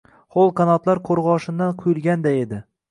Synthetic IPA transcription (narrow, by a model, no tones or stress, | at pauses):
χolˠkʰanɒt̪laɾqʰoɾʁɒʃɪnd̪anqʰʊjɪlˠɡʲand̪aed̪ɪ